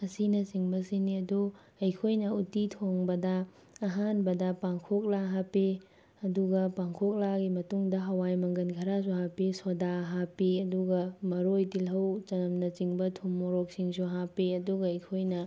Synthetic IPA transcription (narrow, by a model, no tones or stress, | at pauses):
ɐsinɐsiŋbɐsiniɐdu | ɐjkʰojnɐutitʰoŋbɐdɐː | ɦanbɐdɐpaŋkʰok̚laɦapi | ɐduɡɐpaŋkʰok̚laɡimɐtuŋdɐɦɐwajmɐŋɡɐnkʰɐɾas̬uɦapisodaɦapiɐduɡɐmɐɾojdilɦɐwt͡ʃɐnɐmnɐt͡ʃiŋbɐtʰumːoɾok̚siŋs̬uɦapiɐduɡɐɐjkʰojnɐ